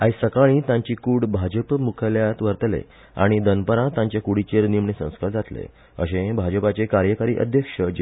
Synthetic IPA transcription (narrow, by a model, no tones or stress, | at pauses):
aisəkaɭ̃ĩt̪ãɲt͡ɕikuɽbʱad͡ʑəpmukʰəljat̪ʋəɾt̪lḛ | a̰ɽ̃id̪ənpəɾãt̪ãɲt͡ɕjakuɽit͡ɕeɾnimɳisə̰̃w̃skəld͡zat̪lḛ | ə̰ɕẽbʱad͡ʑəpat͡ɕekaɾjəkaɾḭːʔə̰d̪ʱjəkʂəd͡ʑ